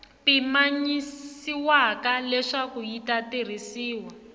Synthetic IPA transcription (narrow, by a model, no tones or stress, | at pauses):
pimaɲisiwakalɛʂakuitater̤isiːwa